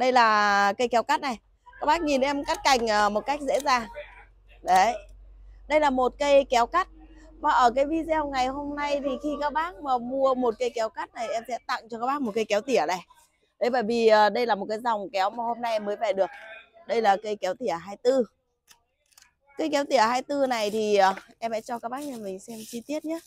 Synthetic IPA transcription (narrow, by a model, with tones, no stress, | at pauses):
ɗə˧jlaː˨˩kə˧jkɛ˨˦wka˦˥t̚na˨˩j | kaː˦˥k̚ɓaː˦˥k̚ɲi˨˩nʔɛ˧mka˦˥t̚ka˨˩jŋ̟ʔəː˨˩mo˨˩t̚ka˦˥jk̚zḛ˧˥zaː˧˩ŋ | ɗə˨˦ | ɗə˧jlaː˨˩mo˨˩t̚kə˧jkɛ˨˦wka˦˥t̚ | maː˨˩ʔəː˧˩kaː˨˦jvi˧zɛ˧wŋa˨˩jho˧mna˧jt̪ʰi˨˩xi˧kaː˦˥k̚ɓaː˦˥k̚maː˨˩mu˧əmo˨˩t̚kə˧jkɛ˨˦wka˦˥t̚na˨˩ʔɛ˧msɛ̰˧˥t̪a̰˧˨ŋt͡ɕɔ˧ka˦˥ɓaː˦˥k̚mo˨˩t̚kə˧jkɛ˨˦wt̪i˧˩əɗa˨˩j | ɗə˨˦jɓəː˧˩jvi˨˩əː˨˩ɗə˧jlaː˨˩mo˨˩t̚kaː˨˦jzwŋ͡mkɛ˨˦wmaː˨˩ho˧mna˧jʔɛ˧mːəː˨˦jvɛ˨˩ɗɨ˨˩ək̚ | ɗə˧jlaː˨˩kə˧jkɛ˨˦wt̪i˧˩əɦaː˧jt̪ɨ˧ | kə˧jkɛ˨˦wt̪i˧˩əhaː˧jt̪ɨ˧na˨˩jt̪ʰi˨˩ʔəː˨˩ʔɛ˧msɛ̰˧˥t͡ɕɔ˧kaː˦˥k̚ɓaː˦˥k̚ɲa˧˩mï˨˩ŋ̟sɛ˧mt͡ɕi˧t̪i˦˥ət̚ɲaː˨˦